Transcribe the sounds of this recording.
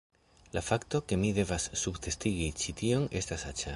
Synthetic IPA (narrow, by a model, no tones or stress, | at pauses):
lafakto̞ke̞mide̞vasːubt̪e̞stiɡit͡ʃit̪io̞ŋe̞stasat͡ʃa